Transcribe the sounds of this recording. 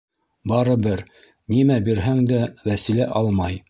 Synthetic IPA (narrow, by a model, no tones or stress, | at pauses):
bɑɾɤbɘɾ | nimæbiɾɦæŋd̪æwæsilæʔɑlˠmɑj